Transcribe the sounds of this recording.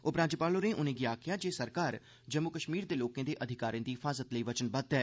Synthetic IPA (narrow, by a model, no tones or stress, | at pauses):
ʊpɾãːd͡ʒpaːloɾẽʔʊnẽːɡɪaːkʰjad͡ʒeːsəɾkaːɾ | d͡ʒəmːʊkəʃmiːɾd̪eːloːkẽːd̪eːʔəd̪ʱɪkaːɾiẽːd̪iɦɪfʰaːzət̪ləiʋət͡ʃənbət̪ɦɛː